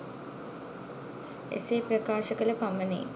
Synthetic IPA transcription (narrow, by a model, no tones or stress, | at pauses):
ḛseːprəkaːʃəkələpamːənḛː